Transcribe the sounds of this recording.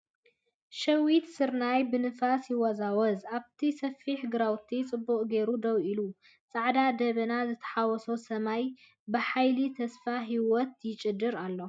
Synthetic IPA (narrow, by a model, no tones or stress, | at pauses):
ʃɐwit̪sɨɾnajbɨnɨfasjɪwɔzawɔzaβt̪ʰisɐfiħɡɨɾawt̪ʰit͡sʼɨbːuqʼɡe̞ɾud̪ɐwʔilu | t͡sʼaʕd̪ad̪ɐβɨnazɨt̪ʰɐ̥ħawɔsosɐmaj | bɨħajlit̪ʰɐsfaɦiwɔt̪̚jɪt͡ʃʼɨd̪ɨɾalːo̞